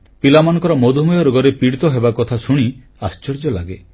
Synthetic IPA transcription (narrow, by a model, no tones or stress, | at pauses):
pilamanɔ̃ŋkɔɾɔmod̪ʱumɔjɔɾoɡɔɾepiɽit̪ɔɦebakɔt̪ʰasuɽ̃i | ast͡ʃɔɾd͡ʒɔlaɡe